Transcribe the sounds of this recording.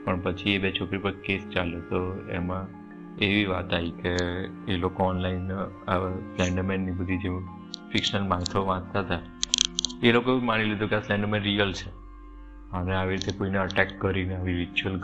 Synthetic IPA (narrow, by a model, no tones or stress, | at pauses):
pəɳpət͡ʃʰiebet͡ʃʰokɾipəɾkest͡ʃaljot̪oemã | eʋiʋat̪aikeː | lokoɔnlain | aslɛ̃ɳɖmenːibəd̪ʱid͡ʒe | fikʃəlmãt̪ʰoʋãt̪at̪a | elokoemaɽ̃ilid̪ʱũkeaslɛ̃ɳɖmẽnɾijəlt͡ʃʰe | əneaʋiɾit̪ekoineəʈɛkːəɾineaʋiɾit͡ʃuəl